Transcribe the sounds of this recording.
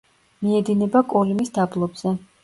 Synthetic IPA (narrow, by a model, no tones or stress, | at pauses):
miɛd̪inɛbakʼɔlimisd̪ablˠɔbz̥ɛ